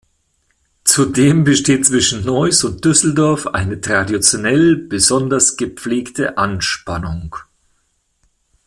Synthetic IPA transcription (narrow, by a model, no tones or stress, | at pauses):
t͡sudeːmbəʃteːt̚t͡sv̥ɪʃn̩nɔʏsʊnt̚d̥ʏsl̩dɔɐfʔa̰ɪnətʁ̥adit͡sjonɛlb̥əzɔndɐsɡ̥əp͡fleːktʰəʔanʃpanʊŋ